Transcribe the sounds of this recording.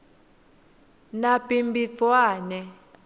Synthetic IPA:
napʼimbit͡swaːnɛ

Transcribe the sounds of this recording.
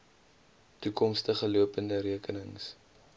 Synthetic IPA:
tukɔmstəχəluəpəndəɾiəkənəŋs

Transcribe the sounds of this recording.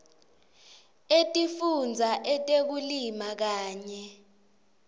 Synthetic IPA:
etʼifund͡zʱaʔɛtʼek̬ulimak̬aːɲɛ

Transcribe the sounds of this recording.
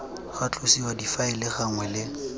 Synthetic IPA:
χat͡ɬʼʊsiwadifaɪlɪχaŋwɛlɪ

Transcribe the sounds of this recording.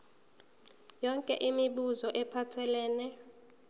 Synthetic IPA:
jɔŋkʼɛʔimiɓuzɔʔɛpʰatʰɛlɛːnɛ

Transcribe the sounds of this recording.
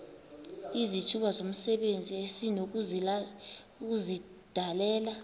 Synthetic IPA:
izit͡ʃʰuɓazom̩sɛɓend͡zʱiesinok̬z | k̬uzid̥ʱalɛːla

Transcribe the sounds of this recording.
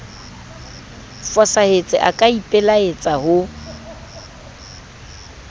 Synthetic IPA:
fɔsahet͡sʼɪ̰ʔakʼaipʼɛlaet͡sʼahʊ

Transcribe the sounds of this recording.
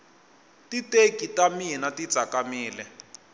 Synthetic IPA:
titekitaminati̥t͡sakamiːlɛ

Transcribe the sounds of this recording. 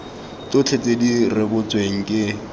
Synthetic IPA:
tʼʊt͡ɬʰet͡sʼedirɪbʊt͡sʼweŋ̩kʼɪ

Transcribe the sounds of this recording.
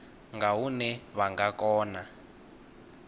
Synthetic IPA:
ŋɡaɦunɛβaŋɡakɔːna

